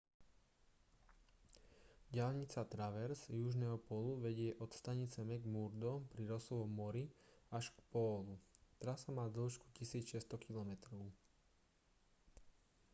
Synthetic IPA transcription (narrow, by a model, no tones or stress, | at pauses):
ɟɪalɲit͡sat̪ɾaʋɛɾzjuʒnɛːɦɔpɔluʋɛɟɪɛʔɔt̪st̪aɲit͡sɛmɛɡmuɾd̪ɔpɾiɾɔsɔʋɔmɔɾiaʃkpɔːlut̪ɾasamaːd̪l̩ˠʃku̥cisiːt͡sʃɛst̪ɔkilɔmɛt̪ɾɔʊ